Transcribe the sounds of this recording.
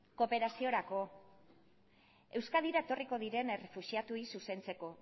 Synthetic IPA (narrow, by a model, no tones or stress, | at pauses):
ko̞pe̞ɾasio̞ɾako̞ | e̞wskaðiɾaet̪o̞riko̞ðiɾe̞nerefuʃiat̪uisuse̞nt͡se̞ko̞